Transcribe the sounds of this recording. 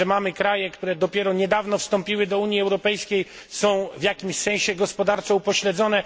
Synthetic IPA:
ɛmamɘkɾajɛkt̪uɾɛd̪ɔpʲjɛɾɔɲɛd̪avnɔfst̪ɔmpʲiwɘd̪ɔuɲjiɛwɾɔpɛjskʲej | sɔ̃w̃vjakʲimɕsɛ̃ɕɛɡɔspɔd̪aɾt̪sɛupɔɕlɛd̪zɔnɛ

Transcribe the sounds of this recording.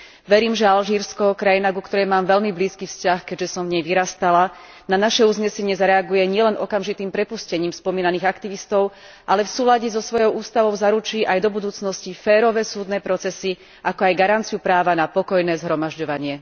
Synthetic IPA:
ʋɛɾiːmʒɛalʒiːɾskɔkɾajinakukt̪ɔɾɛjmaːmʋɛʎmibliːskiːfscaxkɛɟʒɛsɔmvɲɛjʋiɾast̪ala | nanaʃɛuzɲɛsɛɲɪɛzaɾɛaɡujɛɲɪɛlɛnʔɔkamʒit̪iːmpɾɛpuscɛɲiːmspɔmiːnaniːɣakt̪iʋist̪ɔʊ | ʔalɛfsuːlaɟɛzɔsʋɔjɔʊuːst̪aʋɔʊzaɾut͡ʃiːʔajd̪ɔbud̪uːt͡snɔscifɛːɾɔʋɛːsuːd̪nɛːpɾɔt͡sɛsi | ʔakɔajɡaɾant͡sijupɾaːʋanapɔkɔjnɛːzɦɾɔmaʒɟɔʋaɲɪɛ

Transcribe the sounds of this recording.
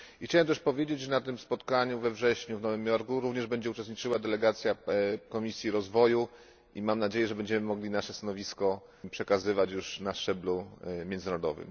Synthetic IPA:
ixt͡ɕawɛmt̪̬ɛʂpɔvʲjed͡ʑed͡ʑʐɛnat̪ɘmspɔt̪kaɲuvɛvʐɛɕɲuvnɔvɘmjɔɾkuɾuvɲɛʐbɛɲd͡ʑɛut͡ʂɛst̪ɲit͡ʂɘwad̪ɛlɛɡat̪sʲjakɔmʲisʲjiɾɔzvɔju | ʔimamnad͡ʑejɛʐɛbɛɲd͡ʑɛmɘmɔɡlʲinaʂɛst̪anɔvʲiskɔ | pʂɛkazɘvat͡ɕjuʂnaʂt͡ʂɛblumʲjɛnd̪znaɾɔd̪ɔ̰vɘ̰m

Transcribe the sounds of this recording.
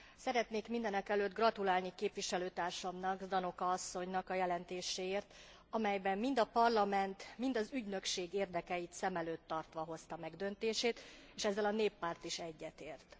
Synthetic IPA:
sɛɾɛt̪neːkmind̪ɛnɛkɛløːd̪ɡrɒt̪ulaːlnikeːpʋiʃɛløːt̪aːrʃɒmnɒɡd̪ɒno̞kɒɒsːo̞ɲnɒkɒjɛlɛnt̪eːʃeːeːrt̪ | ɒmɛjbɛmːind̪ɒpɒrlɒmɛnt̪mind̪ɒzyɟnø̞kʃeːɡeːrd̪ɛkɛjit̪sɛmɛløːt̪ːɒrt̪ʋɒɦo̞st̪ɒmɛɡd̪ø̞nt̪eːʃeːt̪eːʃɛzːɛlɒneːpːaːrt̪iʃɛɟːɛt̪eːrt̪

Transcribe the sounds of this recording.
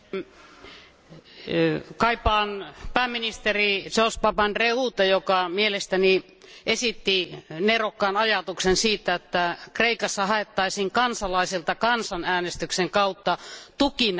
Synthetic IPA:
kɑipɑːnpæːmːinist̪erisospɑpɑnreuːt̪ɑjokɑmielest̪æni | ʔesit̪ːinerokːɑːnɑjɑt̪uksensiːt̪ːˑæet̪ːækreikɑsːɑhɑet̪ːɑisiːŋkɑnsɑlɑisilt̪ɑkɑnsɑnæːnest̪ykseŋkɑut̪ːɑt̪ukin

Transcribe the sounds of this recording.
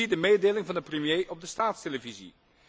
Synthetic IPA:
idəmeːdeːlɪŋvɑndəprəmjeːʔɔb̚dəstaːtsteləvizḭ

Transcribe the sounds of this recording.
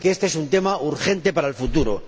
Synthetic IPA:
keest̪eesunt̪e̞maʔuɾxe̞nt̪e̞paɾaelfut̪uɾo̰

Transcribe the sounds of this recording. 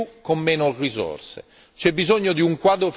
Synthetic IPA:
ukːomːɛːnorizɔ̰rsḛ | t͡ʃɛbːizoɲːod̪iuŋkwaːd̪ɾof

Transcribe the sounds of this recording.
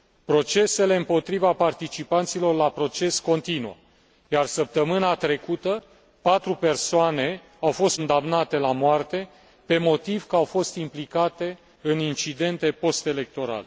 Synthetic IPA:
pɾo̞t͡ʃe̞se̞le̞ɨmpo̞t̪ɾivapart̪it͡ʃipant̪silo̞rlapɾo̞t͡ʃe̞sko̞nt̪inṵə | jarsəp̚t̪əmɨnat̪ɾe̞kut̪ə | pat̪ɾupe̞rsoane̞ | awfo̞st̪nd̪amnat̪e̞lamoart̪e̞ | pe̞mo̞t̪ivkəawfo̞st̪implikat̪e̞ | ɨnint͡ʃid̪e̞nt̪e̞po̞st̪e̞le̞k̚t̪o̞ɾa̰le

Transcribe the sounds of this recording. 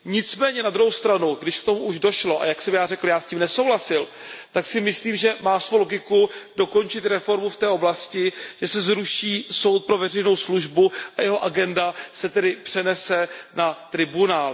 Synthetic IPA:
ɲɪt͡smɛːɲɛnad̪ɾuɦowst̪ɾanuɡdɪʃkt̪o̞muuʒdo̞ʃlo̞ʔa̰jaksɛmjaːrɛkl̩jaːsciːmnɛso̞wɦlasɪlt̪aksɪmɪsliːmʒɛmaːsvowlo̞ɡɪkudo̞ko̞nt͡ʃɪt̪ɾɛfo̞ɾmuft̪ɛːʔo̞blascɪʒ̥ɛsɛzɾuʃiːso̞wt̪̚pɾo̞vɛr̝ɛjno̞wsluʒbuʔajɛɦo̞ʔaɡɛndasɛt̪ɛdɪpr̥ɛnɛsɛnat̪ɾɪbunaːl

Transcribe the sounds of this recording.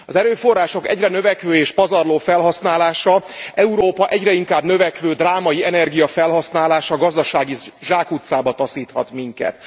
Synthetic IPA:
ɒzɛɾøːfo̞rːaːʃo̞kɛ̰ɟrɛnø̞vɛkʋøːeːʃpɒzɒrloːfɛlɦɒsnaːlaːʃɒʔɛuɾoːpɒʔɛɟrɛiŋkaːbnøvɛkʋøːd̪raːmɒjiɛnɛrɡijɒfɛlɦɒsnaːlaːʃɒɡɒzd̪ɒʃaːɡiʒaːkut̪saːbɒt̪ɒsiːt̪hɒ̰t̪miŋkɛ̰t̪

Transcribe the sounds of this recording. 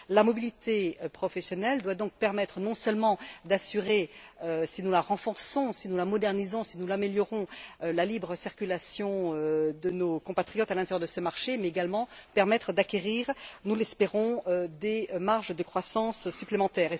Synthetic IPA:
lamɔbilit̪ʰepχɔfɛsjɔnɛld̪wad̪ɔ̃k̚pɛʁmɛt̪χənɔ̃sœlmɑ̃d̪asyʁeøsinulaʁɑ̃fɔʁsɔ̃sinulamɔd̪ɛʁnizɔ̃sinulameljɔʁɔ̃lalibʁəsiʁkʲylasjɔ̃ød̪ənokɔ̃pat̪χijɔt̪alɛ̃t̪ɛʁjœʁd̪əsəmaʁʃemɛeɡalmɑ̃pɛʁmɛt̪χəd̪akʲeʁiːʁnulɛspeʁɔ̃ød̪emaʁʒd̪əkχwasɑ̃sːyplemɑ̃t̪ɛːʁe

